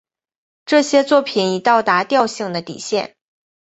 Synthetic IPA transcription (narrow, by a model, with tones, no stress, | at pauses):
ʈ͡ʂɤ˥˩ɕjɛ˥t͡swɔ˥˩pʰi˨˩ni˨˩t̪ɑ˥˩ʊt̪a˧˥t̪jɑ˥˧ʊɕi˥˩ŋd̪ə˦t̪ḭ˨˩ɕjɛ˥˩n